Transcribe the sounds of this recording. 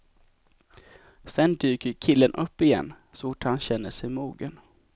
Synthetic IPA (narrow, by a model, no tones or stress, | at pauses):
sɛnd̪yːkəɾkʰɪlːənʔɵpːɪjɛ̰nː | sʊʈːhanɕɛnːəʂɛjmuːɡən